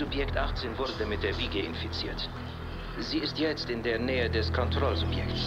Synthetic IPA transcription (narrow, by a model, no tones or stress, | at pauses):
ʊpjɛktʔaχt͡seːnvʊɐdədamɪt̚d̥eːɐviːɡəɪ̰nfit͡siːɐt | z̥iːɪstjɛt͡stɪndeːɐnɛːədɛskʰɔntʁ̥ɔlzʊpjɛkts